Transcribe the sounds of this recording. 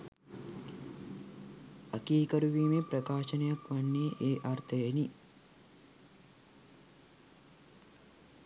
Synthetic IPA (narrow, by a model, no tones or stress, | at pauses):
akiːkɐɾuʋiːmepɾɐkaːʃɐnɐjakʋanːeːʔeːʔart̪ʰəjeni